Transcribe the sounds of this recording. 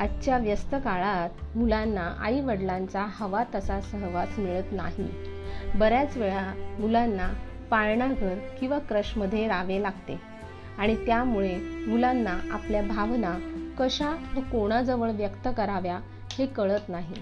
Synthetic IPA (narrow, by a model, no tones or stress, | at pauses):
atːɕjaʋjəst̪əkaɭat̪̚mulanːaʔa̰iʋəɽlãnt͡sahəʋat̪əsasəɾʋasmiɭət̪naɦḭ | bəɾjat͡sʋeɭamulanːa | paɭɳaɡʱəɾkĩw̃ʋakɾəɕməd̪ʱːjeɾaʋelaɡt̪ḛ | aɽ̃it̪jamuɭemulanːaʔapljabʱaʋnakəɕaʋəkoɽ̃ad͡zəʋəɭʋjəkt̪əkəɾaʋja | hekəɭət̪naɦi